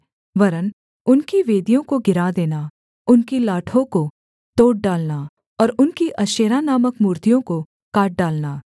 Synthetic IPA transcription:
ʋɐɾən | ʊnkiʋeːd̪ijõkoɡɪɾad̪eːna | ʊnkilaːʈʰõko | t̪oːʈ̚ɖaːlna | ɔːɾʊnkiʔɐʃeːɾanaːməkmuːɾt̪ijõko | kaːʈ̚ɖaːlnaː

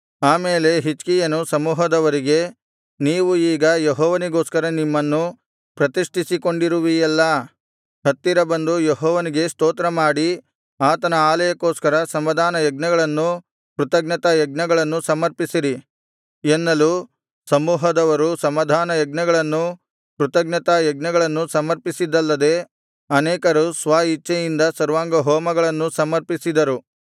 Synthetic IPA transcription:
aːmeːle̞ɦit͡ʃkijɐnusɐmuːɦɐd̪ɐʋɐɾiɡe̞ | niːʋuiːɡɐjeɦɔːʋɐniɡoːskɐɾɐnimːɐnːu | pɾɐt̪iʂʈʰisiko̞ɳɖiɾuʋijɛlːɐ | ɦɐt̪ːiɾɐbɐnd̪ujeɦɔːʋɐniɡe̞st̪oːt̪ɾɐmaːɽi | aːt̪ɐnɐaːlɐjɐkoːskɐɾɐsɐmːɐd̪ʱaːnɐjɐɡ̚nɐɡɐɭɐnːu | pɾut̪ɐɡnɐt̪ɐjɐɡ̚nɐɡɐɭɐnːusɐmɐɾpisiɾi | enːɐlu | sɐmuːɦɐd̪ɐʋɐɾusɐmɐd̪ʱaːnɐjɐɡnɐɡɐɭɐnːu | pɾut̪ɐɡnɐt̪ɐjɐɡnɐɡɐɭɐnːusɐmɐɾpisid̪ɐlːɐd̪e̞ | ɐnɛːkɐɾusʋaːit͡ʃːɐjind̪ɐsɐɾʋaːŋɡɐɦɔːmɐɡɐɭɐnːusɐmɐɾpisid̪ɐɾu

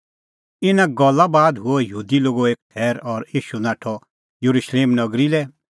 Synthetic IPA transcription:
ɪnãɡɔlːabaːd̪ɦʊɔjɦuːd̪iloːɡoeːk̚ʈʰɛːɾɔɾiːʃunãːʈʰɔ | juɾuʃleːmnɐɡɾilɛ

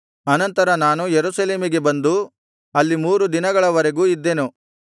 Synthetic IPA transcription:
ɐnɐnt̪ɐɾɐnaːnujeɾusɐleːmiɡe̞bɐnd̪u | ɐlːimuːɾud̪inɐɡɐɭɐʋɐɾeɡuːid̪ːe̞nu

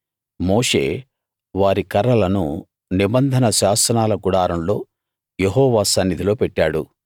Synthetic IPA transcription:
mo̞ːʂe̞̰ː | ʋaːɾikɐɾɐlɐnṵ | nibɐnd̪ʱɐnɐʃaːsɐnaːlɐɡuɽaːɾɐmlo̞ː | jeɦɔːʋaːsɐnːid̪ʱilo̞ːpɛʈːaːɽṵ

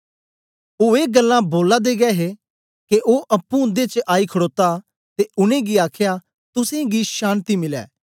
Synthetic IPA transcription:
oeːɡɐlːãboːlad̪eːɡɛːɦe | keʔoːʔɐpːũʊ̃nd̪et͡ʃəʔaːikʰəɽoːt̪a | t̪eʊnẽɡiaːkʰja | t̪ʊsẽɡiʃaːnt̪imɪlɛ̰ː

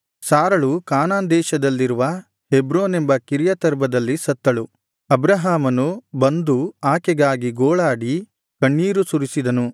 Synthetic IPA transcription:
saːɾɐɭukaːnaːnd̪ɛːʃɐd̪ɐlːiɾuʋɐ | hebɾoːne̞mbɐkiɾjɐt̪ɐɾbɐd̪ɐlːisɐt̪ːɐɭu | ɐbɾɐɦaːmɐnubɐnd̪uaːkɛɡaːɡiɡoːɭaːɽi | kɐɳːiːɾusuɾisid̪ɐnu

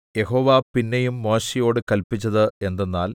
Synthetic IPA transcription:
je̞ho̞ːʋapinːejumːo̞ːɕijo̞ːɽɨkɐlpːit͡ɕːɐðɨe̞nd̪enːaːl

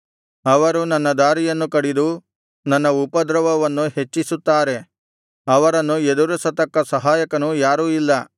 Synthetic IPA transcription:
ɐʋɐɾunɐnːɐd̪aːɾijɐnːukɐɽid̪u | nɐnːɐupɐd̪ɾɐʋɐʋɐnːuɦe̞t͡ʃːisut̪ːaːɾe̞ | ɐʋɐɾɐnːued̪uɾɐsɐt̪ɐkːɐsɐɦaːjɐkɐnujaːɾuːilːɐ

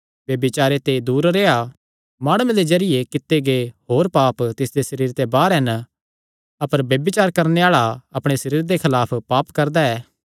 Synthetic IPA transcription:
ʋjɐbɪt͡ʃaːɾet̪ed̪uːɾɾeːa | maːɽ̃ʊmẽd̪ezɐɾɪjekɪt̪ːeɡeɦoːɾpaːpt̪ɪsd̪esɐɾiːɾt̪ebaːɾɦɛn | ɐpəɾbjɐbɪt͡ʃaːɾkɐɾneaːɭaɐpɽ̃esɐɾiːɾd̪ekʰɐlaːpʰpaːpkɐɾd̪aɛː

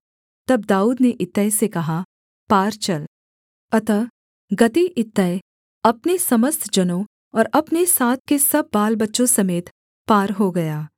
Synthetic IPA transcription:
t̪ɐb̚d̪aːuːd̪neʔɪt̪ːəesekɐɦa | paːɾt͡ʃɐl | ɐt̪ə | ɡɐt̪iʔɪt̪ːəe | ɐpnesɐməst̪d͡ʒɐnõ | ɔːɾɐpnesaːt̪̚ʰkesɐb̚ːaːlbɐtːʃõsɐmeːt̪ | paːɾɦoɡɐjaː

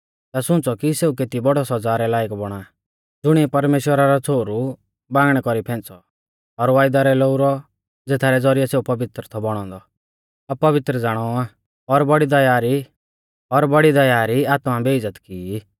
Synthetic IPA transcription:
t̪asʊ̃nt͡sɔkiseːuk̬eːt̪ibɔɽɔsɔd͡zaːɾɛlaːɪkbɔɽ̃aː | d͡zʊɽ̃ipɐɾmeːʃwəɾaɾɔt͡sʰoːɾu | bãːɡɽ̃ɛkɔɾipʰɛ̃ːnt͡sɔ | ɔɾʋaːjd̪aɾɛloːuɾɔ | d͡zeːt̪ʰaːɾɛd͡zɔɾijɛseːupɐʋɪt̪ɾət̪ʰɔbɔɽ̃ɔ̃ːnd̪ɔ | abpːɐʋɪt̪ɾəd͡zaːɽ̃ɔa | ɔɾbɔɽid̪ɐjaːɾi | ɔɾbɐɽid̪ɐjaːɾiaːt̪mabeːd͡zət̪kiː

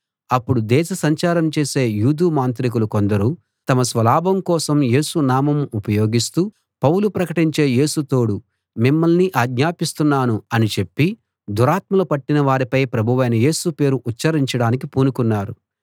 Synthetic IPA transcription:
ɐpːuɽud̪ɛːʃɐsɐɲt͡ʃaːɾɐmt͡ʃe̞ːse̞ːjuːd̪uːmaːnt̪ɾik̬ulukond̪ɐɾu | t̪ɐmɐsʋɐlaːbɐmkɔːsɐmje̞ːsunaːmɐmupɐjo̞ːɡist̪uː | pɐwlupɾɐkɐʈiɲt͡ʃe̞ːje̞ːsut̪o̞ːɽu | mimːɐlniʔaːɡɲaːpist̪unːaːnuɐnit͡ʃe̞pːi | d̪uɾaːt̪mɐlɐpɐʈːinɐʋaːɾipɐjpɾɐbʱuʋɐjnɐje̞ːsupe̞ːɾuʔːt͡ʃt͡ʃɐɾiɲt͡ʃɐɽaːnikipuːnukunːaːɾu

